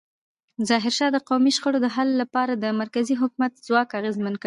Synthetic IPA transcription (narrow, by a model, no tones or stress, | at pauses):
zɑɦɪɾʃɑd̪əqawmiʃxəɽod̪əɦalːapɑɾad̪əmaɾkaziɦʊkumat̪zwɑkaɣezmank